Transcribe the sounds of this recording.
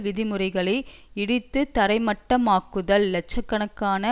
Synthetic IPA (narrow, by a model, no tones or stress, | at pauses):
ʋɪðɪmɯrɐɪɣɐɭɐɪɪɽɪt̪ːɯt̪ɐɾɐɪmɐʈːɐmaːkːɯðɐlːɛt͡ʃːɐkːɐɳɐkːaːnɐ